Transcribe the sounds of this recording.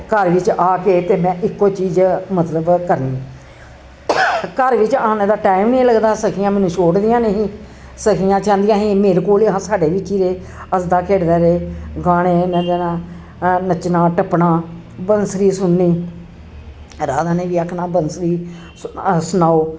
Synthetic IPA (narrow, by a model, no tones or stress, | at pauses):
kəɾʋɪt͡ʃʔaːkeːt̪eːmɛ̃ːʔɪkːoːt͡ʃiːzmət̪ləbkəɾniː | kəɾʋɪt͡ʃə̃ːnẽːd̪aːʈaːɪmnĩːləɡd̪aːsəkʰiːjãːmɛːnũːt͡ʃʰoːɽd̪ɪjãːneːɦĩː | səkʰijãːt͡ʃãːnd̪ɪjãːɦĩːmeːɾkoːliɦãːsaːɖeːʋit͡ʃiːɾeː | əsd̪aːkʰeːɽd̪ɛːɾeːɡaːɽ̃eːnəd̪eːnãː | nət͡ʃnãːʈəpːnãː | bənsɾiːsʊnːiː | ɾaːd̪aːnẽːʋiːəkʰnãːbənsɾiː | sʊnaːoː